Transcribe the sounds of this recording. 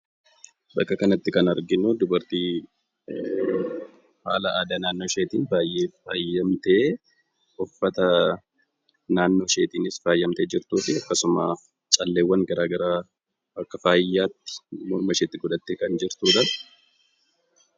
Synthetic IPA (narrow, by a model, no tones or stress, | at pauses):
bɐkːɐkɐnɐt̪ːɪkɐnɐɾɡɪnud̪ʊbɐɾt̪iː | ha̰ːlɐʔaːd̪aːnaːnːo̞ːʃe̞ːt̪iːnbaːjʔe̞ːfaːjːɐmt̪eː | ɔfːɐt̪ɐ | naːnːo̞ːʃe̞ːt̪iːnɪsfaːjːɐmt̪e̞ːd͡ʒɪɾt̪uːfɪɐkːɐsʊma̰ː | t͡ʃʼɐlːeːwːɐŋɡɐɾaːɡɐɾaː | bɐkːɐfaːjːaːt̪ːɪ̥mɔɾmɐʃeːt̪ːɪɡɔd̪ɐt̪ːeːkɐnd͡ʒɪɾt̪uːᶑ̪ɐ